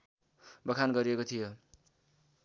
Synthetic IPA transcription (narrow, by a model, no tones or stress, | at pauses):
bʌkʰanɡʌɾiekot̪ʰijo